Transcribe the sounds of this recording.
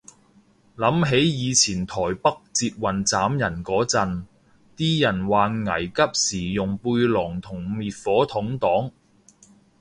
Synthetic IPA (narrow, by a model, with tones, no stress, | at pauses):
lɐ˨˥mɦe˨˥jjiː˨˧t͡sʰiː˨˩nt̪ʰɔː˨˩jpɐ˥k̚t͡siː˧t̚wɐ˨˩nt͡saː˨˥mjɐ˨˩nkɔː˨˥t͡sɐ˨n | t̪iː˥jɐ˨˩nwaː˨nŋɐ˨˩jkɐ˥p̚siː˨˩jʊ˨˩ŋpuː˧jlɔː˨˩ŋt̪ʰʊ˨˩ŋmiː˨t̚fɔː˨˥t̪ʰʊ˨˥ŋt̪ɔː˨˥ŋ